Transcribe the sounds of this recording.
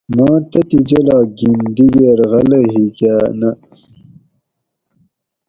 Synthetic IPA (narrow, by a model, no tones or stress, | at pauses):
mɑːt̪ɐt̪id͡ʑɐlɑːɡind̪iɡeɾɣɐlɐɦiɡæːnɐ